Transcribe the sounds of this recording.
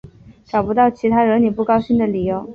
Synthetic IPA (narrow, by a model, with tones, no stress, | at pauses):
ʈ͡ʂɑ˨˩ʊpu˧˥t̪ɑ˥˩ʊt͡ɕʰi˧˥t̪ʰa˥ɻə˧˥ni˨˩pu˥˩kɑ˥ʊɕi˥nd̪ə˨li˨˩jo˧˥ʊ